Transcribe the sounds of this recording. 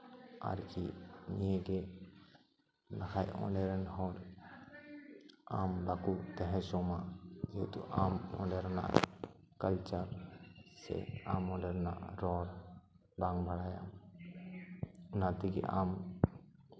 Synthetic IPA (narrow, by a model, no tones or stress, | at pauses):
a̰ɾkḭnijeɡɛ | nakʰajɔ̰̃ɖɛɾɛnhɔɾ | ambakut̪ɛɦɛ̃sɔmad͡ʒɛt̪ṵʔamɔ̰̃ɖɛɾna̰ʔ | kəlt͡ʃəɾsɛ̰amːɔɖɛɾna̰ʔɾɔɾ | baŋbaɽaja̰m | nat̪iɡɛ̰ʔam